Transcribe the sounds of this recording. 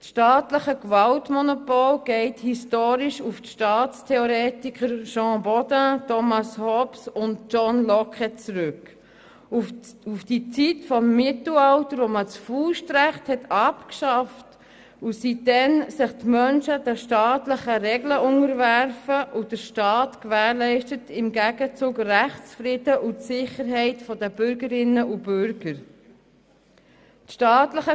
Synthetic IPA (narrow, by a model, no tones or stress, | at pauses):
sʃtɑːtləχəkvɑltmɔnopolɡ̥ɛɪthistoːɾiʃufʃtɑːtt͡stʰeoɾɛːtikχəɾʃɑ̃ːbɔd̥ətʰɔmɑshɔpsʊntt͡ʃɔnlɔkɛt͡sɾʏk | uufd̥it͡sitfɔmːɪtl̩ɑltəɾvomət͡sfuːʃtɾæχthɛtʰɑpkʃɑft | usidɛnsɪχtmœnʃəd̥ɛʃtɑːtləχəɾɛɡləʔʊŋəɾvæɾfəʔud̥əɾʃtɑːtkʋæːɾlɛɪʃtətɪmɡæɡət͡suːkræχt͡sfɾɪdəʔutsɪχəɾɦɛɪtfɔdəb̥ʏɾɡəɾɪnːəʔubʏɾɡ̥əɾ | tʃtɑːtləχə